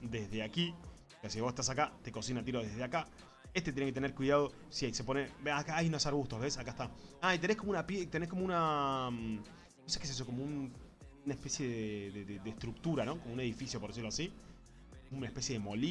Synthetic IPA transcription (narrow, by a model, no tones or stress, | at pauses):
d̪ezðeaki | kasiβosest̪as̬akat̪eko̞sinat̪̬iɾo̞ðeðeaka | est̪et̪jeneket̪eneɾkwiðað̞o̞ | sjese̞po̞nebakaajnosaɾɣuht̪oɦβesakaet̪aait̪enekomounapjet̪enesko̞mouna | nose̥keses̬oko̞moun | naespe̞sje̞ðeðeðeðeht̪ɾuk̚t̪uɾano̞ko̞moune̞ð̞ifisjopɾðesiɾloasi | ounaehpe̞sje̞ðemo̞li